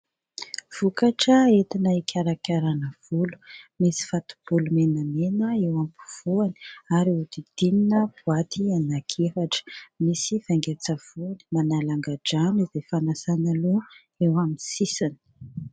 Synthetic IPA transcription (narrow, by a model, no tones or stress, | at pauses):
v̥ukaʈ͡ʂəet̪inəikʰʲaɾakʲaɾanəv̥ulu̥misi̥fat̪u̥b̥ulumenəmenəewampu̥v̥uani̥aɾiud̪id̪̥ininəpuat̪ʰianakʰefaʈ͡ʂə̥misiv̥aŋɡat͡sav̥uanimanalaŋɡaɖ͡ʐanizefanasanalu | ewaminsisani̥